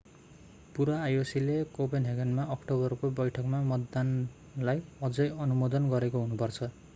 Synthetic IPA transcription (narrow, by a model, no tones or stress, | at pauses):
puɾaːjosilekopenɦeɡʌnmaʌkʈobʌrkobʌjʈʰʌkmamʌd̪ːan | lajʌd͡zʌjʌnumod̪ʌnɡʌɾekoɦunupʌrt͡sʰʌ